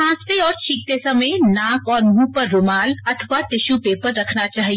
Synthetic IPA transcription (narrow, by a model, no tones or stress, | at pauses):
ãːst̪eɔːɾt͡ʃʰiːk̚t̪esɐmenãːkɔːɾmũːpɐɾːʊmaːlɐt̪ʰəʋat̪ɪʃupeːpəɾːɐkʰnat͡ʃaːɦie